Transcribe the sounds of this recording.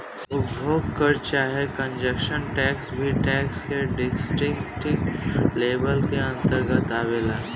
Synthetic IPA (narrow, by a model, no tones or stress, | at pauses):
ʊtbʱoːɡkəɾt͡ʃaːɦekə̃ɲd͡ʒəkʃənʈɛːksbʱiʈɛːkskeɖɪsʈɾɪŋkʈɪkleːbəlkeə̃nt̪əɾɡət̪aːʋeːlaː